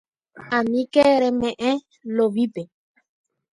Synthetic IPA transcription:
ãmĩkeɾemẽʔẽ | loβipe

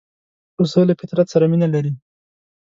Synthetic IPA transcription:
usəlafɪt̪ɾat̪saɾaminalaɾi

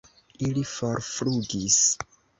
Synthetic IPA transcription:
ilifoɾfluɡis

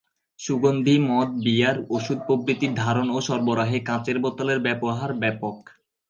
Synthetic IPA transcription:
ʃuɡond̪ʱimɔt̪̚bijaɾoʃud̪̚pɾobɾit̪iɾd̪ʱaɾonoʃɔɾboɾaɦekãt͡ɕeɾbot̪ːaleɾbɛpoɦaɾbɛpok

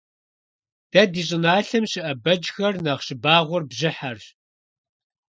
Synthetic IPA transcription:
d̥ɐdiːɕʼɪnaːɬɐmɕɪʔɐbɐd͡ʒxɐrnɐχɕɪbaːʁʷʊrbʑɪħar

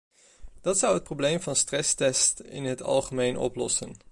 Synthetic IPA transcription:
d̥ɑtsʌwɦət̚problejmvɑnstrɛstɛstɪ̰nɦətɑ̰lˠχəmejnʔɔ̰plɔsən

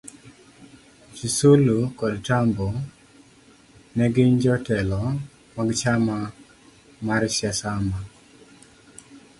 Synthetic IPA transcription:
t͡ʃisulukɔdtambo | nɛɡɪɲd͡ʒɔtɛlɔ | maɡt͡ʃama | maɾsjasama

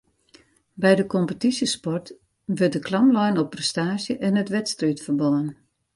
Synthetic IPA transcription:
bɛjdəkɔmpətisjəspɔrt | ʋɪrt̚dəklɑmlɔjnɔprɛstaːʒjəʔɛnətʋɛtstrytfərbɔən

